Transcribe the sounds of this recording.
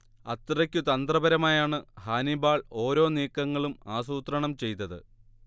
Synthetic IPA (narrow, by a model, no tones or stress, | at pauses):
ɐt̪ːirɐkʲːut̪ɐnd̪rɐbɐɾɐmaːjaːɳɨhaːnibaːɭo̞ːɾo̞ːniːkːɐŋːɐɭumaːsuːt̪rɐɳɐmt͡ɕe̞jt̪ːɐðɨ̰